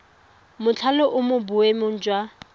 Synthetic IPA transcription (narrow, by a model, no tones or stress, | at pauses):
mʊt͡ɬʰalɔʔʊmʊbʊwemʊn̩d͡ʒʼwa